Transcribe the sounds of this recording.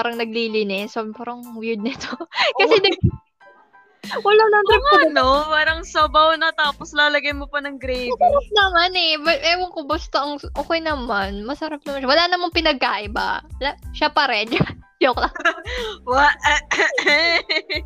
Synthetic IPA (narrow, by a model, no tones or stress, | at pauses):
aːɾɐŋnɐɡ̚liːlɪnɪsopaːɾɐŋwɪɹd̪nɐt̪okɐsɛnɐɡ̚ | wɐlanɐnt̪ɐpnopaːɾɐŋsɐbɐʊnɐt̪aːposlaːlɐɡɐjmopɐnɐŋɡɾejmɐɐɾap̚nɐmanɛbɐʔɛːmoŋkobɐst̪oʔɐŋʔoːkɐjnɐmanmɐsɐɾap̚nɐmanʃawɐlanɐmanpɪnɐɡ̚kaːʔɪba̰wlaʃapɐɾɛnd͡ʒ | ok̚lɐ | waʔ